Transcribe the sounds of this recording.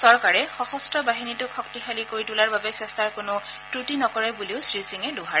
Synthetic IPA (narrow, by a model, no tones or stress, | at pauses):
sɔɹkaɹɛxɔxɔstʰɔbaɦinitʊkʰɔktixalikoɹitulaɹbabɛsɛstaɹkʊnʊtɹutinɔkɔɹɛbuliʊsɹisiŋɛdʊɦaɹɛ